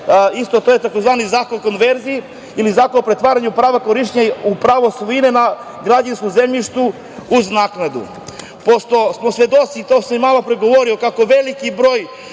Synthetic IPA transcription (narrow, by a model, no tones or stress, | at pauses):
ist̪o̞t̪ojet̪akozʋaːnizaːkonkonʋeɾzii | ilizaːkonpɾet̪ʋaːɾaɲupɾaːʋakoɾiʃɲaupɾaʋosˠoinena | ɡɾad͡ʑanskozemʎiʃt̪u | uznaːknad̪ṵ | post̪o̞smosʋed̪ot̪sit̪osammalopɾeɡo̞ʋoɾio̞kako̞ʋelikibɾoːj